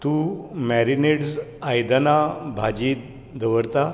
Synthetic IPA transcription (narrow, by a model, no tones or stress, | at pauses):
t̪umæɾineɽsajd̪anabʱad͡ʑiː | d̪ʱəʋəɾt̪a